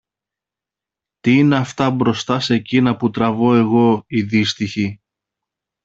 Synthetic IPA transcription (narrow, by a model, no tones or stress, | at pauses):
t̪iineɐft̪ɐbɾo̞st̪ɐse̞cinɐput̪ɾɐvo̞e̞ɣo̞iðist̪içi